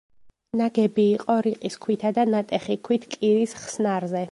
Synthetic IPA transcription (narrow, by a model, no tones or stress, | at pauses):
naɡɛbiːqʼɔɾiqʼiskʰwit̪ʰad̪anat̪ʼɛχikʰwit̪ʰkʼiɾisχsnaɾzɛ